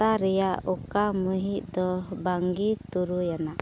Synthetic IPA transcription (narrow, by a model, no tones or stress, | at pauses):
aɾɛjaukaməɦit̪̚ˀd̪ɔbaŋɡit̪uɾujana